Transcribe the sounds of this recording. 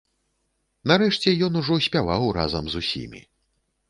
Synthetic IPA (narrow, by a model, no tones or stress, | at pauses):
naɾɛʂt͡sʲɛjɔnuʐɔsʲpʲavawra̰zɐmzusʲḭmʲḭ